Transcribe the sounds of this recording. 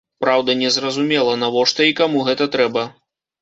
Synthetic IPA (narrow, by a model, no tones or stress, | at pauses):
pɾawd̪ɐnʲɛzrɐzumʲɛlˠɐnavɔʂt̪ɔikamuɣɛt̪ɐt̪ɾɛbɐ